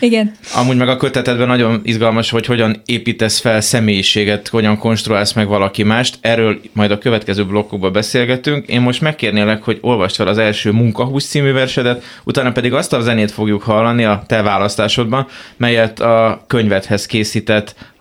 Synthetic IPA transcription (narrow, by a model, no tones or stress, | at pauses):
iɡɛnɒ̰muːɟmɛɡɒkøt̪ɛt̪ɛd̪bɛnɒɟo̞nizɡɒlmɒʃho̞cho̞ɟɒneːpiːt̪ɛsfɛlsɛmeːjiʃeːɡɛt̪ho̞ɟɒŋko̞nʃt̪ruaːlsmɛɡvɒlɒkimaːʃt̪ɛrːøːlmɒjd̪ɒkø̞vɛt̪kɛzøːblo̞kːo̞ɡ̚bɒbɛseːlɡɛt̪yŋkḛːmmo̞ʃt̪mɛkːeːrneːlɛkho̞ɟo̞lvɒʃt̪fɛlɒzɛlʃøːmuŋkɒɦuːst̪siːmyvɛrʃɛd̪ɛt̪ | ut̪aːnɒpɛd̪iɡɒst̪ɒlzɛneːt̪fo̞ɡjukhɒlːɒniɒt̪ɛvaːlɒst̪aːʃo̞d̪bɒnmɛjːɛt̪ːɒkø̞ɲvɛt̪hɛskeːsiːt̪ɛt̪ː